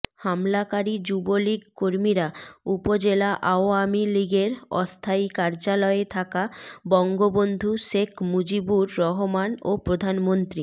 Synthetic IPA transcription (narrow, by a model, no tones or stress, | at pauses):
hamlakaɾid͡ʑuboliɡkoɾmiɾaupod͡ʑelaʔaoamiliɡeɾɔ̰st̪ʰaikaɾd͡ʑalɔet̪ʰakabɔŋɡobond̪ʱuʃekʰmud͡ʑibuɾːɔɦomanopɾod̪ʱanmont̪ɾi